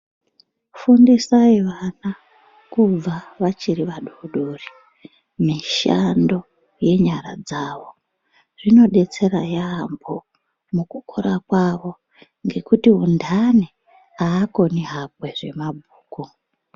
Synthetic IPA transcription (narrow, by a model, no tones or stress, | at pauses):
fundisaiʋana | kub͡vaʋat͡ʃiɾiʋaɗoɗoːri | miʃando̞ | je̞ɲaɾa̰d͡zaʋo̞ | ʐ̥ino̞ɗe̞t͡se̞ɾajaːmbo̞ | mukukoɾakwaʋo̞ | ŋɡe̞kutiɦundʱane | aːko̞niɦapweʐe̞̰mabʱuːku